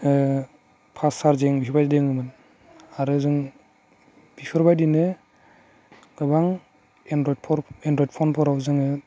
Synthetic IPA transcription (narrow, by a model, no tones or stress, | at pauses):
pʰasaɾzeŋbiɾbajdeŋɯmɯn | aɾɯzɯŋ | b̥ipʰɯɾbajdinɯ | ɡ̥ɯbaŋ | endɾɔjdpʰɔɾendɾɔjd̚pʰɔnpʰɔɾawzɯŋɯ